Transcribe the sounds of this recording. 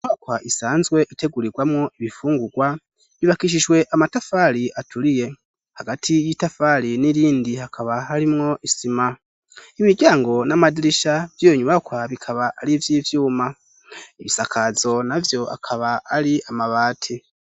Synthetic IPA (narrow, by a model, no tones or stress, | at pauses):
ɲakwaʔisaːnzwe̞ʔite̞ɡuɾiɡwamŋoiβifuːŋɡuɡwa | βiβakiʃ̬iʒwe̞ʔamatafaliʔatulije̞ | haɡatʰijitafaliniɾiːndihakʰaβaɦaɾimŋo̞ʔisima | imiɟaːŋɡo̞namadiɾiʃav̥joɲuβakwaβikʰaβaalivjiːvjuːma | iβisakʰazo̞navjo̞a̰kʰaβaːliamaβaːtʰi